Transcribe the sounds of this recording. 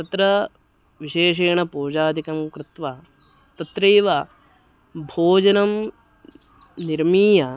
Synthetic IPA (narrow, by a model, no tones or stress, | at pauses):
t̪ɐt̪ɾɐ | ʋiʃeːʂ̬eːɳɐpoːd͡ʒaːd̪ʱikɐmkɾɪt̪ʋa | t̪ɐt̪ɾeːʋa | bʱoːd͡ʒɐnɐm | niɾmiːjɐ